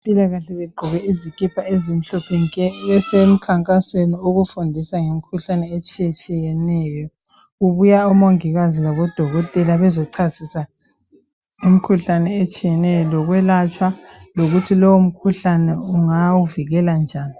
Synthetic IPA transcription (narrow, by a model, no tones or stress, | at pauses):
pʼilaɣaɬɛβɛɡ͡ǃʱɔɣɛizikʼipʰaezim̩ɬɔpʰenikɛβɛsem̩kʰaŋkʼasenioɣufundʱisaŋem̩kʰuɬanɛet͡ʃʼijet͡ʃʼijɛnɛjɔ | uβujaɔmaŋiɣazilaβɔd̥ʱɔɣɔtʼɛlaβɛzɔǀʰasisa | im̩kʰuɬanɛet͡ʃʼijɛnɛjɔlɔɣwɛlat͡ʃʼwaloɣutʰilɔwom̩kʰuɬanɛuŋawuviɣɛland͡ʒʱaːni